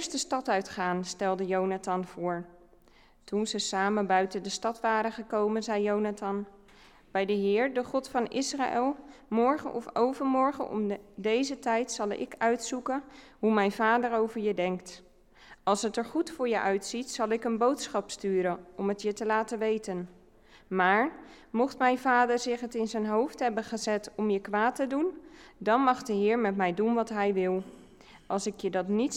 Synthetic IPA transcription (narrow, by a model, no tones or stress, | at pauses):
ɪɹstəstɑtœɥtχaːnstɛlˠdəjownatɑnv̥ʊːɹ | tunzəsaːmənbœɥtəndəstɑtʋaːɾəχəkowmənzɛjːownatɑn | b̥ɛjdəɦɪːɹdəχɔtfɑnɪsra̰ʔɛlˠ | mɔɹχə̰nʔɔfowvəɹmɔɹχə̰nɔ̰mdejzətɛjtsɑlˠɪ̰kœɥtsukən | ɦumɛjnv̥aːdəɹowvəɹjədɛŋkt | ɑlˠsɦətəɹχutfʊːɹjəʔœɥtsitsɑlˠɪkənbowtsχɑpstyːɾənɔmətjətəlaːtəʋejtən | maːɹmɔχtmɛjnvaːdəɹzɪχɦətɪnzənɦowftɦɛbəχəzɛtɔmjəkʋaːtədundɑnmɑχdəɦɪːɹmɛtmɛjdunʋɑtɦɛjʋɪlˠ | ʔɑlˠsɪkjədɑtnit